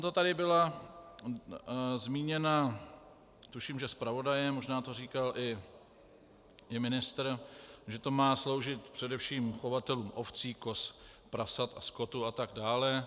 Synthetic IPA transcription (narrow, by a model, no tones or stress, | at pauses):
t̪ot̪adɪbɪla | zmiːɲɛna | t̪uʃiːmʒɛspɾavo̞dajɛmoʒnaːt̪o̞riːkalʔɪ | ɪmɪnɪst̪ɾʒɛt̪o̞maːslo̞wʒɪt̪̚pr̥ɛdɛfʃiːmxovat̪ɛluːmʔoft͡siːko̞spɾasat̪a̰sko̞t̪uat̪aɡdaːlɛ